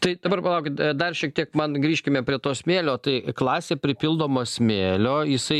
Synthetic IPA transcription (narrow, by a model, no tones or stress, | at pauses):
t̪ɐɪd̪ɐbɐrpɐlˠɐʊkʲɪt̪d̪ɐrʃʲiɛk̚t̪ʲiɛkmɐnɡɾʲiːʃʲkʲɪmʲɛpʲɾʲiɛt̪oːsʲmʲeːlʲoːt̪ɐɪklˠɑːsʲeːpʲɾʲɪpʲilˠd̪oːmoːsʲmʲeːlʲoːjɪsɐɪ